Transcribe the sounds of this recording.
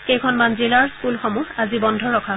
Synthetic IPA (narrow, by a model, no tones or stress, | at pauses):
kejkʰɔnmanzilaɹskulxɔmuazibɔndʱɔɹɔkʰa